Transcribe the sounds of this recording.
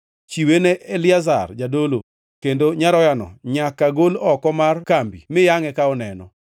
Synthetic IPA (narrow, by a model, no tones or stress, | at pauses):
t͡ʃiweneʔːlɪaza̰rd͡ʒadolo | kendoɲaɾɔjanɔ̰ɲakaɡolɔkɔmarkambḭmɪjaŋɛkaɔnɛnɔ̰